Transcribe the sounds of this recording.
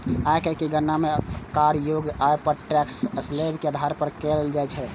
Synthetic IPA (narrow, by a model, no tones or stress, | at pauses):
aekəkeɡənːamekaɾjoɡaepəʈɛksəslebkeəd̪ʱaɾpəɾkeld͡ʒaɛt͡ʃʰɛ